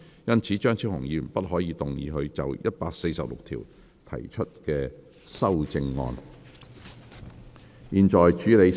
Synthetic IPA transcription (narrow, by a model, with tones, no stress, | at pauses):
jɐ˥nt͡sʰiː˨˥t͡ʃœː˥ŋt͡sʰiː˥whʊ˨˩ŋjiː˨˧m̩˨˩npɐ˥t̚ɦɔː˨˥jiː˨˧t̪ʊ˨ŋjiː˨˧ɦɵ˧ɥt͡sɐ̰˨wjɐ˥t̚paː˧k̚se˧jsɐ˨p̚lʊ̰˨k̚t̪ʰḭː˨˩w | t̪ʰɐ̰˨˩jt͡ʃʰɵ˥t̚kɛː˧ | sɐ˥wt͡sɪ˧ŋːɔ̰ː˧n | jiː˨˩nt͡ʃɔː˨˩jt͡ʃyː˨˥le˨˧j